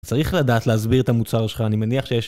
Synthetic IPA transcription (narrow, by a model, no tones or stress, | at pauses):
t͡saʁiχladaːtleazbiʁet̪amut͡saʁʃelχaːnimeniaχʃejeʃ